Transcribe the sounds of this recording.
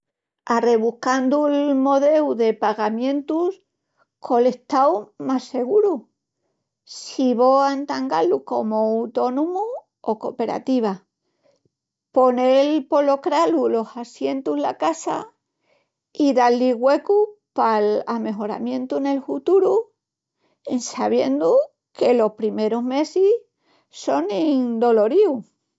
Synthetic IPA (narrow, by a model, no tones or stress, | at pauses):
are̞β̞uhkand̪ulmo̞ð̞e̞wðe̞paɣamjẽ̞nt̪us | kʰo̞le̞ht̪awmase̞ɣ̞uɾu | siβo̞ant̪aŋɡaluko̞moːwt̪o̞numu | o̞ko̞pe̞ɾa̰t̪iβ̞a | po̞nelpo̞lo̞kɾalulo̞sasje̞nt̪uzlakasa̰ | iðalːiɣwe̞kupalame̞ɦo̞ɾa̰mjẽ̞nt̪une̞lfut̪uɾu | ensaβje̞̰nd̪u | ke̞lo̞hpɾime̞ɾoɦme̞sis | so̞nind̪o̞lo̞ɾiu